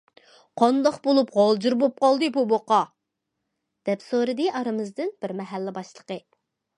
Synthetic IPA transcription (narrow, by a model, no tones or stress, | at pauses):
qʰɑnd̪ɑqbolˠupʁɑlˠd͡ʒɨɾbop̚qɑlˠd̪ɨbuboqɑ | d̪̥ɛpsoɾɨd̪ɨʔɑɾɨmɨzd̪ɨnb̥ɪɾmɛɦælːɪbɑʃlˠəqə